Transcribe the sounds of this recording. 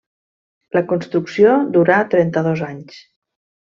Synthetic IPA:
ləkunst̪ɾuksiod̪uɾat̪ɾɛnt̪əðɔzaɲs

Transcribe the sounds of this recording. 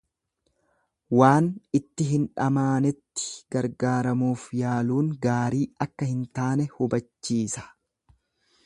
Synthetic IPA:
waːnɪt̪ːɪɦɪnᶑɐmaːnɛt̪ːɪ̥ɡɐɾɡaːɾɐmuːfjaːluːŋɡaːɾiːɐkːɐhɪnt̪aːnɛhʊbɐt͡ʃːiːsɐ̥

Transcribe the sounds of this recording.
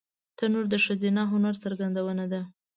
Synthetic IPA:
t̪anoɾd̪əʃəzinɑɦʊnaɾt͡səɾɡand̪awənad̪a

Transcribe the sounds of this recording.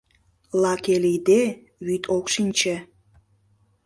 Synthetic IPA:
lɑkeleid̪e | βyt̪ʰokʃinʲt͡ɕĕ

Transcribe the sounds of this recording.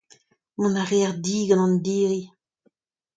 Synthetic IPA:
mɔ̃naʁeaʁdiːɡɑ̃nɑ̃nd̪iːʁi

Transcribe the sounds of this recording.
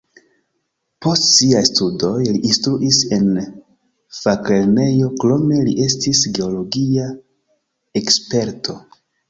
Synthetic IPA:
po̞stsiajstudo̞jliʔːnstɾuʔise̞n | fakle̞ɾne̞jo̞klo̞me̞liʔe̞stisɡe̞o̞lo̞ɡia | ekspe̞ɾto̞

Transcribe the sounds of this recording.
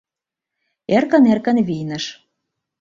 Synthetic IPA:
erkə̆nerkə̆nβijnə̆ʃ

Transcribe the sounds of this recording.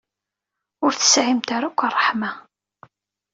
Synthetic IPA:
ʊɾθə̥sʕimt̪aɾakʷːərˤːəħma

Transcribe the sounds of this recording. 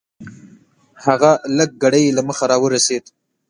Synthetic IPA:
haɣaləɡ̚ɡaɽajlaməxaɾɑwəɾased̪

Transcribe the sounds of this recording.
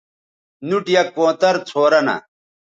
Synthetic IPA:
nuʈjɐkõːt̪ɐɾt͡sʰoːɾɐnɐ̰

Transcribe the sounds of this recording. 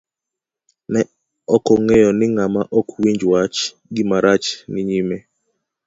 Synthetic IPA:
nɛ | ɔkɔŋejɔnɪŋamaʔɔkwiɲd͡ʒwat͡ʃ | ɡɪmaɾat͡ʃnɪɲime

